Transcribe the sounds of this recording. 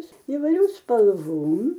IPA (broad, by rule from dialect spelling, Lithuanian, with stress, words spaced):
iːʋɐɪˈrʲuː spɐlˠˈʋoːm